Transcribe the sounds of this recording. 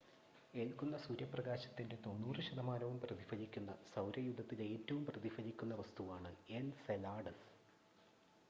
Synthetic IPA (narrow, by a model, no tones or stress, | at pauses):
e̞lkunːɐsuːɾjɐprɐɣaːɕɐt̪ːinde̞t̪o̞nːuːrɨɕɐðɐmaːɾɐʋumprɐðifɐðikʲːunːɐsɐwɾjɐjud̪ʱːɐt̪ːile̞ːtːɐʋumprɐðifɐlikʲːun̪ːɐʋɐst̪uʋaːɳɨenselaːɖɨl